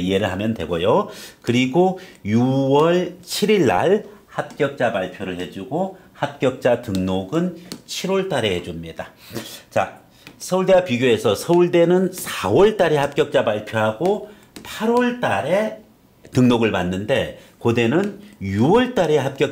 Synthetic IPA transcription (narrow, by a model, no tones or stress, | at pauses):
ie̞ɾɯɭɦamjʌntwe̞̰ɡojokɯɾiɡojuwʌɭt͡ɕʰiɾiɭːa̰ɭhap̚k͈jʌk̚t͡ɕ͈apaɭpʰjoɾɯɭhe̞d͡ʑuɡohap̚k͈jʌk̚t͡ɕ͈atɯŋnoɡɯnt͡ɕʰiɾwʌɭt͈aɾe̞he̞d͡ʑumɲida | t͡ɕa̰ | sʰʌuɭdewapiɡjoe̞sʰʌsʰʌuɭde̞nɯnsʰawʌɭt͈aɾe̞hap̚k͈jʌk̚t͡ɕ͈apaɭpʰjoɦaɡo | pʰaɾwʌɭt͈aɾe̞ | tɯŋnoɡɯɭmanːɯnde̞ | kode̞nɯnjuwʌɭt͈aɾe̞ɦap̚k͈jʌk